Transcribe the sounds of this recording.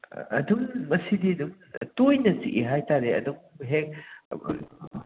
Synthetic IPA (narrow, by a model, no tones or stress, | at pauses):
ɐ̰duŋːɐsidiɐduŋ | tojnɐt͡ʃiʔiɦajtaɾeɐ̰duŋɦek̚